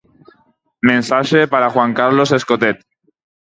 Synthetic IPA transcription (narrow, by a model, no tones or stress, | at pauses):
mẽnsaʃepaɾaxwaŋkaɾloseskot̪et̪̚